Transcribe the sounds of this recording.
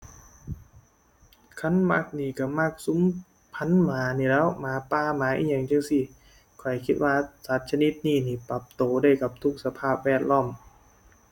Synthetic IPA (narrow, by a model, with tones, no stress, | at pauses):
kʰa˧˥˨nma˧˥˩k̚niː˧˩ka˧˩ma˧˩k̚su˧˦m | pʰa˧˥˨nmaː˨˦niː˧˩lɛː˦˥wmaː˨˧˦paː˧˩maː˨˦ʔḭː˧˩ɲa˨˩ŋt͡ɕɯ˧ŋsi˧˩ | kʰɔ˨˩jkʰi˦˥t̪̚waː˧sa˨˦t̪̚t͡ɕʰa˧ni˦˥t̪̚niː˧˩niː˧˩pa˨˩p̚t̪oː˨˩daː˧˩˨jka˨˩p̚t̪ʰu˦˥k̚sa˧pʰaː˥˩p̚wɛː˧˥˩t̪̚lɔː˧˥˩m